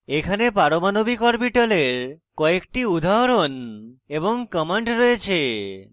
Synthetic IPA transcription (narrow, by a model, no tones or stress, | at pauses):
ekʰanepaɾomanobikɔɾpiʈaleɾkɔekʈiud̪ʱaɦɾoneboŋkəmeɳʈɾɔet͡ɕʰe